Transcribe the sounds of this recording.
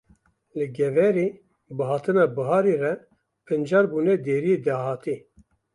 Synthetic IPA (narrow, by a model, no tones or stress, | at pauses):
lɨɡɛvɛɾeː | bɨɦɑːt̪ʰɨnɑːbɨɦɑːɾirɛ | pʰɨnd͡ʒɑːɾbuːnɛd̪eːɾijed̪ɑːɦɑːt̪i